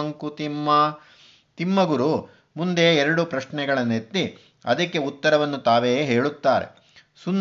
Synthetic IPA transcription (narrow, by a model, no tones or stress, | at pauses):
ɐŋkut̪imːɐ | t̪imːɐɡuɾu | mund̪eɛɾɐɽupɾɐʃɳɛɡɐɭɐnːet̪ːi | ɐ̰d̪ɐkːe̞ut̪ːɐɾɐʋɐnːut̪aːʋe̞ːɦe̞ːɭut̪ːaːɾḛ | sun